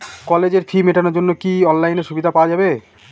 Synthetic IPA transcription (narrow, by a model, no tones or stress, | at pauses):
kɔled͡ʑeɾfʰimeʈʰanoɾd͡ʑonːokiɔnlajneɾʃubid̪ʱapawad͡ʑabe